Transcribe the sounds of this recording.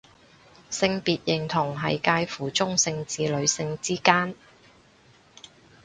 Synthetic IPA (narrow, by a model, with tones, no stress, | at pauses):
sɪ˧ŋpiː˨t̚jɪ˨˩ŋt̪ʰʊ˨˩ŋɦɐ˨jkaː˧jfuː˨˩t͡sʊ˥ŋsɪ˧ŋt͡siː˨lɵ˨˧ɥsɪ˧ŋt͡siː˥kaː˥n